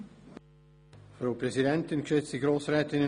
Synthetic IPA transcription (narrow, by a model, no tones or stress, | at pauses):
fɾaʊprɛzidɛntɪnkʃɛt͡sd̥iɡɾoːsɾɛːtɪnə